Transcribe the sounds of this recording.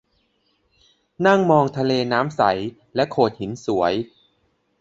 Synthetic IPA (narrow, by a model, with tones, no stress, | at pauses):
na˥˩ŋmɔː˧ŋt̪ʰa˧leː˧naː˦˥msa˩˦j | lɛ˦˥ʔkʰoː˨˩t̪̚hi˩˦nsu˩˦ɐəj